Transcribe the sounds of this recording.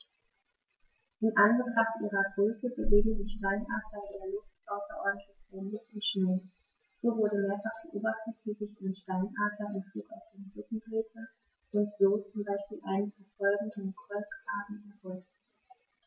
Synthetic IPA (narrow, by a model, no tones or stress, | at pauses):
ʔɪmʔanɡətʁ̥aχtʔiːʁɐɡʁøːsəbəveːɡŋ̩zɪʃtaɪnʔaɐtɐdeːɐlʊftʔaʊsɐʔɔ̰ɐdn̩tʰlɪçb̥ondəʊntʃneː | z̥oːvʊɐɾəmeːɐfaχb̥əʔoːbaχtətv̥iːzɪçdɪnʃtaɪnʔaːtɐʔɪmfluːkaʊfd̥eːmʁʏkŋ̩dʁeːtʰə | ʔʊntz̥oːt͡sʊmbaɪʃpiːlʔaɪnənfɔfɔlɡŋ̩dɔnkɔlkaːdn̩ɛɐʁɔltət